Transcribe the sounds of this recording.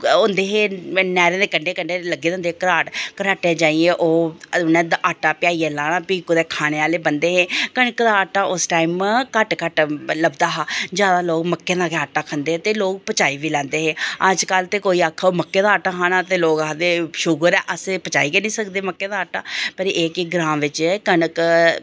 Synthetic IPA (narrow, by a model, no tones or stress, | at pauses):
ond̪eːɦeːnɛːɾẽːd̪eːkəɳɖeːkəɳɖeːləɡeːd̪ẽːnd̪ekəɾaːʈkəɾaːʈẽːd͡ʒaːieːʔoːnɛ̃ːd̪aʔaːʈːaːpɪjaːiːɛːlaːnaːpiːkud̪eːkʰaːɽ̃eːaːleːbənd̪eːɦeːkəɽkd̪aːaːʈːaːʔʊsʈaːimkəʈkəʈləbd̪aːɦaːd͡ʒjaːd̪aːloːkməkːeːd̪aːkeaːʈaːkʰənd̪eːɛːt̪eːloːk̚pət͡ʃaːiːʋiːlɛ̃ːnd̪eːɦeːəd͡ʒkəlt̪eːkoːiːaːkʰːaːoːməkːeːd̪aːʈaːkʰaːnaːt̪eːloːɡd̪eːʃʊɡəɾɛːʔəsepət͡ʃaːiːkenĩːsəkd̪eːməkːeːd̪aːaːʈaːpəɾeːkɪɡɾãːʋɪt͡ʃkənək